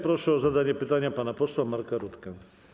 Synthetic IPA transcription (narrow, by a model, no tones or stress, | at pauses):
pɾoʂəəzɐd̪anʲɪjəpɨt̪anʲɪjəpanɐposˠɐmarkɐɾut̪kɐ